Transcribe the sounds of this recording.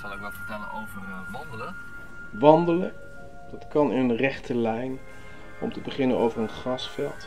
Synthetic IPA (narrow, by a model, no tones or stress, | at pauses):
sɑlˠəkɡdɑtfəɹtɛlə̰nowvər | ʋɑndələ | ʋɑndələ | d̥ɑtkɑnənrɛχtʰəlɛjn | ɔ̰mtəbəχɪnənowvərənχrɑsfɛlˠt